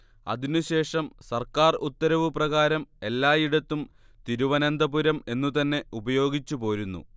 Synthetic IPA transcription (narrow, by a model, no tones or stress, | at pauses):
ɐ̰ðinuɕe̞ːʂɐmsɐrkaːrut̪ːɐɾɐʋɨprɐɣaːɾɐme̞lːaːjiɽɐt̪ːum | t̪iɾuʋɐnɐnd̪ɐbuɾɐme̞nːut̪ɐnːe̞ubɐjo̞ːɡit͡ɕːupo̞ːɾunːṵ